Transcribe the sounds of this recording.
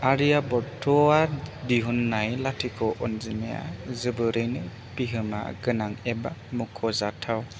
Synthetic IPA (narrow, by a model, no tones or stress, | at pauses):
aɾijabɔtʰɔadiɦunːajlatʰikʰɔʔɔnzimeja̰zɯbɯɾɯjnɯ | piɦɯma̰ɡɯnaŋɛbamukʰɔzatʰaw